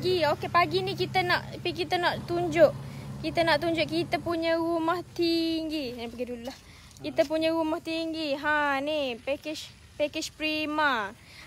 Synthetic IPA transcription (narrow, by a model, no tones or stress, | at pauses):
ɡiokepaɡinikit̪ənaʔpik̬it̪ənaʔt̪uɲd͡ʒʊʔkit̪ənaʔt̪uɲd͡ʒʊʔkit̪əpuɲəɾumaht̪iŋɡinpaɡidulah | kit̪əpuɲəɾumaht̪iŋɡiɦãnipekɪʃ | pɛkɪʃpɾima